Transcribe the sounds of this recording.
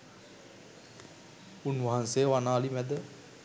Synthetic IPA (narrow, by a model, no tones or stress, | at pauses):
unʋaɦanseəʋanaːlimæd̪ə